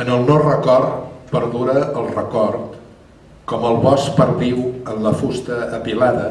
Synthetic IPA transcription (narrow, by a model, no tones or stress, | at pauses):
ənəlˠnorəkɔɾt̪pəɾðuɾəəlˠrəkɔɾt̪ | kɔməlˠβɔspəɾβiwənləfust̪əːpilaðə